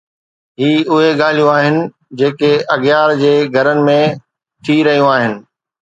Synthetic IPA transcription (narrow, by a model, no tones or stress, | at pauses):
ɦiːʊɦeɠaːl̤ijũaːɦɪnɪ̆ | d͡ʑeːkeɐɣjaːɾd͡ʑeːɡʱɐɾənɪ̆mẽ | t̪ʰiɾɐɦijũaːɦɪnɪ̆